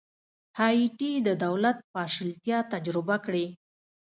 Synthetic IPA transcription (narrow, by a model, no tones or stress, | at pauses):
hɑiʈid̪əd̪awlat̪̚pɑʃɪlt̪jɑt̪ad͡ʒɾɪbakɽe